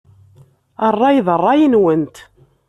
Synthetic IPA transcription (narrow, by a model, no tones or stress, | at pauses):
ərˤːɑjðərˤːɑjinwənt̪